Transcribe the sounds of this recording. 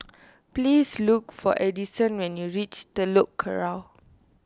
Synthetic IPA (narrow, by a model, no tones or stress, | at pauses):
plislukfɔ̰ʔɛdisə̃nwɛ̃njuɹit͡ʃdəlokʰːə̰ɹaw